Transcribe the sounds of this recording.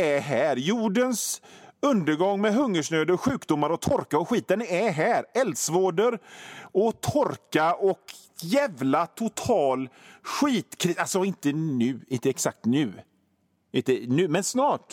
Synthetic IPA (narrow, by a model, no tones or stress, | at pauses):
æɾɦæːɾjuːɖənsɵnd̪əɾɡɔŋːmɛɦɵŋːəʂɳøːd̪əɾɔɧʉ̟ːkd̪ʊmːaɾɔt̪ʰɔɾkaɔɧiːt̪ənæɾɦæːɾɛld̪svoːɖəɾɔt̪ʰɔɾkaɔk | jɛvlat̪ʰʊt̪ʰɑːlɧiːt̪kʰɾɪalsɔɪnt̪ənʉ̟ːɪnt̪əɛksak̚t̪nʉ̟ː | ɪnt̪ənʉ̟ːmɛnsnɑːʈ